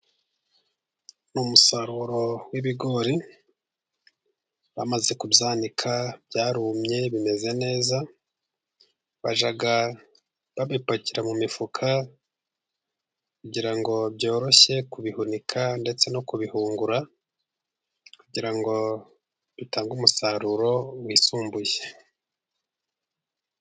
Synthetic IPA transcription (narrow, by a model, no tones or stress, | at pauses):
numusaɾuɾo̞wiβiɡo̞ɾi | βa̰maze̞kubzaːnikʰabjaːɾumɲe̞βime̞ze̞ne̞ːza | βa̰ʒaɡa | βaβipaciɾamumifukʰa | kuɟiɾaŋɡo̞bjo̞ːɾo̞ʃe̞kuβihunikʰande̞t͡se̞no̞kuβihuːŋɡuɾa | kuɟiɾaŋɡo̞ | βitaːŋɡumusaɾuɾo̞wiːsuːmbuje